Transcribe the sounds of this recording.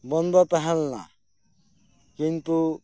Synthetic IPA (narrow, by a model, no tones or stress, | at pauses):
bɔnd̪ɔpaɦɛlna̰ | kint̪u